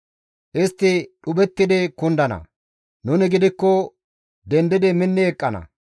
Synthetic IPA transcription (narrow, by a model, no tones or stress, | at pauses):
ʔɪst̪ːɪɗʊbɛt̪ːɪd̪ɪkʊnd̪ɐnɐ̰ | nʊnɪɡɪd̪ɪkːɔ | d̪ɛnd̪ɪd̪ɪmɪnːɪɛkʼːɐnɐ̰